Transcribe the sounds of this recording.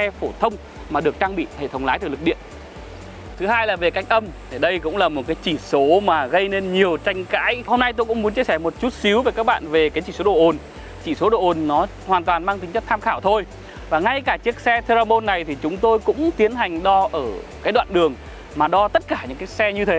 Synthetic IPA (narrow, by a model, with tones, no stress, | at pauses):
sɛ˧fo˧˩t̪ʰə˧wŋ͡m | maː˨˩ɗɨ˨˩ək̚t͡ɕaː˧ŋɓḭ˧˨hḛ˧˨t̪ʰə˧wŋ͡mlaː˨˦jt̪ɨ˨˩lɨ˨˩k̚ɗḭ˧˨ən | t̪ʰɨ˨˦haː˧jlaː˨˩ve˨˩ka˦˥jk̟ʔə˧m | e˧˩ɗə˧jkʊ̰˧˥ŋ͡mlaː˨˩mo˨˩t̚kaː˨˦jt͡ɕi˧˩so˨˦maː˨˩ɣə˧jne˧nɲi˨˩əwt͡ɕa˧jŋ̟ka̰ː˧˥jho˧mna˧jt̪o˧jkʊ̰˧˥ŋ͡mmu˨˦ənt͡ɕi˧əsɛ˧˩mo˨˩t̚t͡ɕu˦˥t̚si˨˦wve˨˩kaː˦˥k̚ɓa̰ː˧˨nve˨˩kaː˨˦t͡ɕi˧˩so˨˦ɗo̰˧˨ʔo˨˩n | t͡ɕi˧˩so˨˦ɗo̰˧˨ʔo˨˩nnɔ˨˦ | hwaː˨˩nt̪waː˨˩nmaː˧ŋt̪ï˨˦ŋ̟t͡ɕə˦˥k̚t̪ʰaː˧mxaː˧˩wt̪ʰo˧j | vaː˨˩ŋa˧jkaː˧˩t͡ɕi˦˥ək̚sɛ˧t̪ʰe˧za˧mo˧nːa˨˩jt̪ʰi˨˩t͡ɕʊ˨˦ŋ͡mt̪o˧jkʊ̰˧˥ŋ͡mt̪i˨˦ənɦa˨˩jŋ̟ɗɔ˧ʔəː˧˩kaː˨˦jɗwa̰ː˧˨nɗɨ˨˩əŋ | maː˨˩ɗɔ˧t̪ə˦˥t̚kaː˧˩ɲɨ̰˧˥ŋkaː˨˦jsɛ˧ɲɨ˧t̪ʰe˨˦